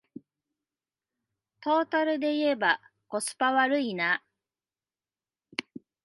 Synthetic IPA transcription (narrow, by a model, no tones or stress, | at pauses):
t̪o̞ːt̪aɾɯ̟d̪e̞ie̞ba | ko̞sɨ̥paβaɾɯ̟ina